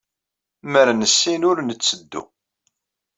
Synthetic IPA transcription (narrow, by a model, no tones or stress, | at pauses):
məɾnəsːinʊɾnət͡sːəd̪ːṵ